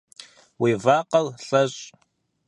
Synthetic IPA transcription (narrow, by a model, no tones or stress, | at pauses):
wiːvaːqɐlɬɐɕʼ